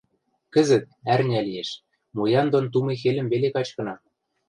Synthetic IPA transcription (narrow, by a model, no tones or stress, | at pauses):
kə̆zɘ̆t̪̚ærnʲælijeʃ | mojɑnd̪ont̪̬umexelɘ̆mβelekɑt͡ɕkɤ̆nɑ